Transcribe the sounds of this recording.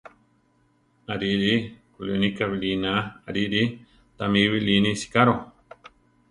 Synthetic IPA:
aɾiɾikulinikaβilinaa̰ɾiɾi | t̪amiβilinĩsi̥kaɾo

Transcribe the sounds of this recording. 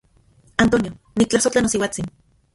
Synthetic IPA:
ant̪onjo | nik̚t͡ɬahsot͡ɬanosiwat͡sin

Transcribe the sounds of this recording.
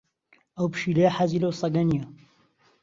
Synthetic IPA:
ʔɐwpɨ̥ʃilɐjɐħaziːlɐwsˤɑɡɐnijɐ

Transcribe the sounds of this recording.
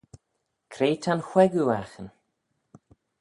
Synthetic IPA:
kʰɾeːt̪ʰanxwɛɡuaxən

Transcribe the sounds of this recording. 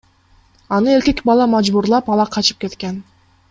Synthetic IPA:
ɑnɯe̞ɾke̞kbɑlˠɑmɑd͡ʒbuɾlˠɑpɑlˠɑqʰɑt͡ʃɯ̥p̚ke̞t̪ken

